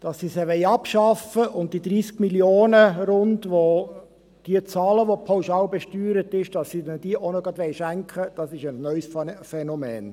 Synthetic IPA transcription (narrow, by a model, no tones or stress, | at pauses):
d̥ɑsːisɛʋɛɪɑpʃɑfəʔʊnt̚d̥id̪ɾiːskmiljoːnəɾʊndʋo | d̥iət͡sɑːləʋopʰɑwʃɑːlbɛʃtyːɾətɪʃd̥ɑsːidɛnd̥iəʔonoɡɑdʋɛɪʃæŋkχəd̥ɑsɪʃəsnœʏsffɛnɔmɛːn